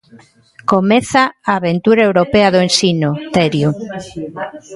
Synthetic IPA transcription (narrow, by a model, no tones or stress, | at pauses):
komeθaaːβent̪uɾaewɾopeɐðoensinot̪ɛɾju